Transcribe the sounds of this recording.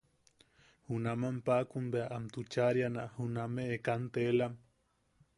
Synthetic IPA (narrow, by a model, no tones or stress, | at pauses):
hunamampakunbeaʔamt̪ut͡ʃaɾjanaʔhunameːkant̪elam